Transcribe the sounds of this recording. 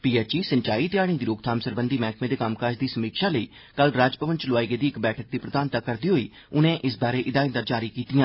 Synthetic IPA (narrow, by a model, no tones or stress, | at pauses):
piːɛːt͡ʃiːsəɲt͡ʃaːiːt̪ɪjaːɽ̃ĩːd̪iːɾoːɡ̚t̪ʰaːmsəɾbənd̪iːmɛːkʰmẽːd̪eːkaːmkaːd͡ʒd̪iːsəmiːkʃaːləiː | kəlɾaːd͡ʒpəʋə̃nt͡ʃlʊaːiɡeːd̪iːɪkbɛːʈʰək̚d̪iːpɾəd̪aːnt̪aːkəɾd̪iːɦoːiː | ʊnẽːʔɪsbaːɾeːʔɪd̪aːɪ̃nd̪aːd͡ʒaːɾiːkiːt̪ijãː